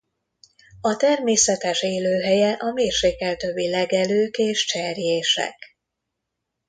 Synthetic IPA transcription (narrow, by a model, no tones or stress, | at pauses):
ɒt̪ɛrmeːsɛt̪ɛʃeːløːɦɛjɛʔɒmeːrʃeːkːɛlt̪ø̞bːilɛɡɛløːkeːʃt͡ʃɛrjeːʃɛ̰k